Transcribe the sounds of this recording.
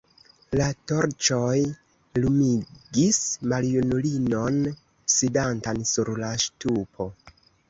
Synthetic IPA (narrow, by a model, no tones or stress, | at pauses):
lato̞ɾt͡ʃo̞j | lumiɡismaljunulinon | sidantansuɾlaʃtupʰo̞